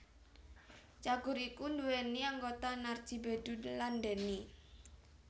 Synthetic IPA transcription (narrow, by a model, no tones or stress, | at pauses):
t͡ʃaɡ̥uɾikunduweniaŋɡot̪anar̥d͡ʒ̥i̤bedulandɛni